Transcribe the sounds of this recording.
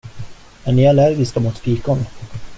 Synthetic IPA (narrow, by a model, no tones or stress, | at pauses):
mɛnːɪalæɾɡɪskamuːt̪fiːkɔn